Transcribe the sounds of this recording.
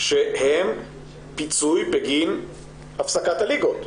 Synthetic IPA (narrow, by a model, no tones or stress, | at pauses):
ʃehem | pit͡sujpeɡin | ʔafsakat̪haliɡot̪